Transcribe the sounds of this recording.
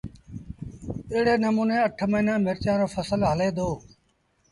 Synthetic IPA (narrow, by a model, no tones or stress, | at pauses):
ɪːɽeːnəmuːnẽːəʈʰməiːnãːmɪɾt͡ʃãːɾoːfʰəsəlɦəleːd̪oː